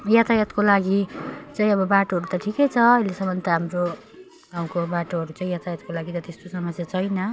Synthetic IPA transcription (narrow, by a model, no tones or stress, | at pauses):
jat̪ʰajʌt̪kolaɡit͡saĩʌbʌbaʈoɦʌɾut̪ʌʈʰiket͡sʰʌːjlesʌmʌnt̪ʌɦamro | ɡaw̃kobaʈoɦʌɾut͡saĩjat̪ʰajʌt̪̚kolaɡit̪ʌt̪est̪osʌmːʌsjat͡sʰʌjnʌ